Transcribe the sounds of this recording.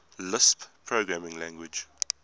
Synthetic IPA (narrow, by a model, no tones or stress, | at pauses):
lɪsppʰɹoɡɹæmɪ̃ŋlæ̃ŋɡwɪd͡ʒ